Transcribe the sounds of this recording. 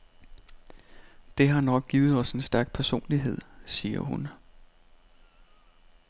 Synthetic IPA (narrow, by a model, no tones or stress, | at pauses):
d̥e̝ɦɑ̈nɒ̽ɡ̥̚ɡ̥iːð̞̩ˠɒ̽se̝nsd̥æɐɡ̥̚pʰæɐso̝̰ːnliɦe̝ð̞̰ˠsiːɐ̰hun